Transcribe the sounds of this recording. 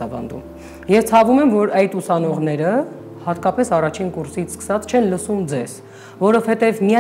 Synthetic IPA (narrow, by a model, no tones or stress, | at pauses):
ɑbɑ̰nd̪ṵm | jɛvt͡sʰɑvumɛmvɔɾɑjt̪usɑnɔʁnɛɾə | hɑt̪kɑpɛsɑrɑt͡ʃʰinkuɾsit͡sʰskə̥sɑt͡sʰt͡ʃʰɛnləsumd͡zɛz̥ | vɔɾɔvhɛt̪ɛvmiɑ